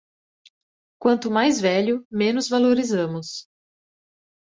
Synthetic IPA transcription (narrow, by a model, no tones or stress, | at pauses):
kwɐ̃nt̪ʊmajzvɛʎʊmẽnʊzvaloɾizɐ̃mʊs